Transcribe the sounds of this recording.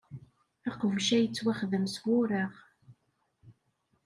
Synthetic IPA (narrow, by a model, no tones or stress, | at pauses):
æqəvʃæjət͡sːwæχðəmswʊɾaʁ